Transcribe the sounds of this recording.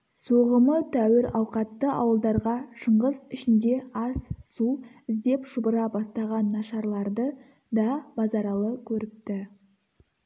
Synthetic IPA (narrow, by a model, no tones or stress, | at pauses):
soʁəmət̪ʰæwɪɾɑwqɑt̪ːəʔɑ̰wəlˠd̪ɑɾʁɑʃəɴʁəzɪʃɪnd̪e̞ɑsːuɪzd̪e̞pʃʊbəɾɑbɑst̪ɑʁɑnːɑʃɑɾlˠɑɾd̪ə | d̪ɑbɑzɑɾɑlˠəkʲʰɵɾɪp̚t̪ɪ